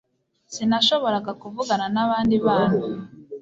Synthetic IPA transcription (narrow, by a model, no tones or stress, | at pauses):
sinaʃo̞βo̞ɾaɡakuvuɡananaβaːndiβaːnu